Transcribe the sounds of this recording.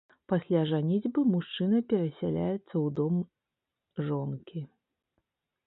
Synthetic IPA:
pasʲlʲaʐanʲid͡zʲbɨmuʂt͡ʂɨnɐpʲɛɾɐsʲalʲa̰jɛt̪sːɐwd̪ɔm | ʐɔnkʲi

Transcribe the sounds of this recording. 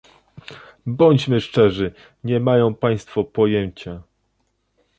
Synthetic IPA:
bɔɲd͡ʑmɘʂt͡ʂɛʐɘ | ɲɛmajɔ̃w̃paj̃st̪fɔpɔjɛɲt͡ɕa

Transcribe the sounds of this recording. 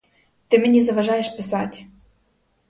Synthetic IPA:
t̪ɘ̆mʲɘ̆nʲizɑvɑʒɑjeʃpɘ̆sɑtʲ

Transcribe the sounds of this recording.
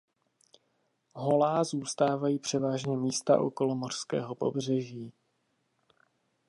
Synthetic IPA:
ɦolaːzuːst̪aːvajiːpr̥ɛvaːʒɲɛmiːst̪a̰ʔo̞̰ko̞lomo̞r̥skɛ̰ːɦo̞po̞̰br̝ɛʒiː

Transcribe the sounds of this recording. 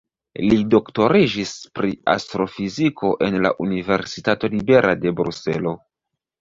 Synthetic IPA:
lido̞kto̞ɾid͡ʒispɾia̰stɾo̞fizikʰo̞ʔe̞nla̰ʔunive̞ɾsitato̞libe̞ɾʔade̞bɾṵse̞̰lo̞

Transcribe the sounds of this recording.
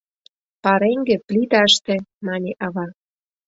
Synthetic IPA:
pɑɾeŋɡĕplʲit̪ɑəʃt̪ĕmɑnʲeʔɑβɑ

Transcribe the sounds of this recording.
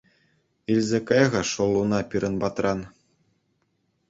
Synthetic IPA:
ilʲzʲekɤjʁɤ̆ʂɤ̆lˠːunɑpʲiɾɤ̆nbɑt̪rɑn

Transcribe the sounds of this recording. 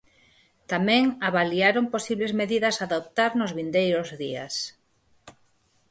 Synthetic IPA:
t̪amɛ̃ŋaβaliaɾomposiβlezmeðiðɐsaðop̚t̪aɾnʊzβind̪ejɾʊzðias

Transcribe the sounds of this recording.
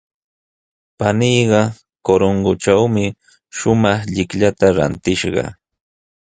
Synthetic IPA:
panijɢɑ | koɾoŋɡʊʈ͡ʂawmɪ | ʃʊmɑχʎɪkʎat̪aɾa̰nt̪ɪʃɢɑ̰

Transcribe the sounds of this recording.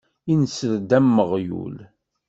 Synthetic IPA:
insəld̪æmːəʁjṵl

